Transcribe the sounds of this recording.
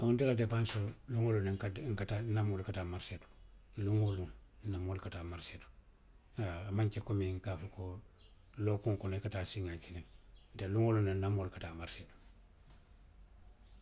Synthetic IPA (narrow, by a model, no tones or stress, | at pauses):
aundiladepansoluŋolunekaŋ̩katanamolkataːmaɾsetu̥luŋoluŋnamoːlkataːmaɾsetu̥ | aːmaɲt͡ʃekomiŋkafuko | lokuŋkonekataːsiŋakiliŋnteluŋolunːanamolkatamaɾseːtu̥